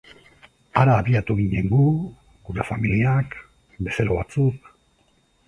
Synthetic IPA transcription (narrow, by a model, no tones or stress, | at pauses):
aɾaːβiat̪uɣ̞iɲe̞ŋɡu | ɡuɾe̞familiak | be̞seɾoβat͡suk̚